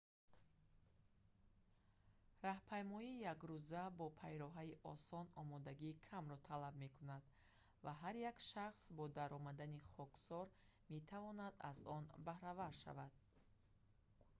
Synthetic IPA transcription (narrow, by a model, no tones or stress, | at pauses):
rahpʰajmɔiːjakɾuzabɔpʰajɾɔɦaiʔɔsɔnɔmɔd̪aɡiːkʰamɾɔt̪ʰalabme̞kʰunad̪ | vaɦaɾjakʃaχsbɔd̪aɾɔmad̪aniχɔksɔɾ | me̞t̪ʰavɔnad̪a̰zɔnbahɾavaɾʃa̰vad̪̥̚